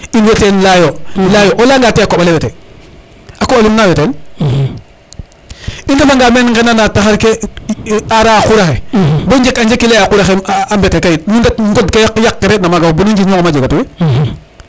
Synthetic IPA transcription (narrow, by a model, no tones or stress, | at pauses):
inwetenlajolajoʔolaːŋɡaːteakobalewete | akoalumnawetol | iŋɡamaŋɡamenŋɡananataxaɾke | aɾakuɾaxeboɲd͡ʒekaɲd͡ʒekːilejakuɾaxeambetekajinuŋɡatŋɡodkejakjakːeɾenamaɡabunaɲd͡ʒiɲɔkamad͡ʒiɡatuwe